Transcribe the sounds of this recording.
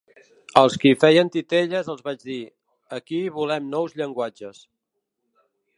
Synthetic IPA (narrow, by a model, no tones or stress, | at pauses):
əlˠskifɛjənt̪it̪eʎəzəlˠzβad͡ʒði | əkiβulɛmnɔwzʎəŋɡwad͡ʒəs